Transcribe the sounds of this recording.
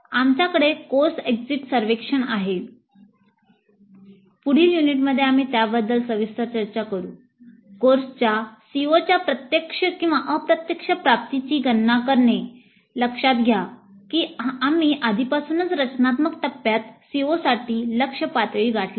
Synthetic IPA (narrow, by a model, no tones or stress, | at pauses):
amt͡ɕjakəɽekoɾsekd͡ziʈsəɾʋekʂəɳaɦe | puɽ̤iːljuniʈ̬məd̪ʱːeam̤iːt̪jabəd̪ːəlsəʋist̪at͡ɕəɾt͡ɕakəɾṵː | koɾst͡ɕjasiot͡ɕjapɾət̪jəkʂəkĩw̃ʋaʔəpɾət̪jəkʂəpɾap̚t̪it͡ɕiːɡənːakəɾɳe | ləkʂat̪ɡʱja | kiːamiːʔad̪ʱipasuːnət͡sɾət͡ɕnat̪məkt̪əpːjat̪siosaʈiːləkʂəpat̪ʋiːɡʱaʈli